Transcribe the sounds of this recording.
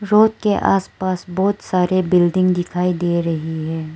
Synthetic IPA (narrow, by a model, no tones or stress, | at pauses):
ɾoːt̪̚keʔa̰ːspaːsbɔːt̪saːɾebɪlɖɪ̃ŋɡd̪ɪkʰaːid̪eːɾɐɦiɦɛː